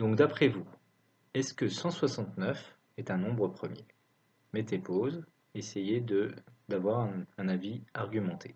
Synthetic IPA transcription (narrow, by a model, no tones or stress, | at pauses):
d̪ɔ̃k̚d̪apχɛvu | ɛskəsɑ̃swasɑ̃t̪nœf | ɛt̪ɛ̃nɔ̃bʁəpχəmje | mɛt̪epoz | esejed̪əd̪avwaʁɛ̃ɛ̃naviaʁɡʲymɑ̃t̪ʰe